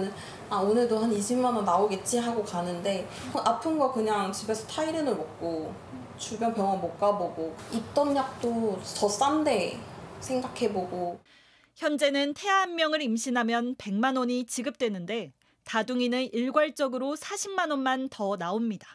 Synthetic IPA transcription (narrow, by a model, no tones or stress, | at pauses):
nɯn | aonɯɭdoɦaniɕʰimːanonːaoɡe̞t̚t͡ɕ͈iɦaɡokanɯnde̞ | ʔapʰɯnɡʌkɯɲaŋt͡ɕibe̞sʰʌtʰaiɾɯnɯɭmok̚k͈o | t͡ɕubjʌnpjʌŋamok̚k͈aboɡoit͈ʌnɲak̚t͈otʌs͈amde̞sʰe̞ŋɡakʰe̞boɡo | çjʌnd͡ʑe̞nɯntʰe̞aanmjʌŋɯɾimɕʰinɦamjʌnpe̞ŋmanoɲit͡ɕiɡɯp̚t͈we̞nɯnde̞ | taduŋinɯniɭɡwaɭt͡ɕ͈ʌɡɯɾosʰaɕʰimmanonmantʌnaomɲidḁ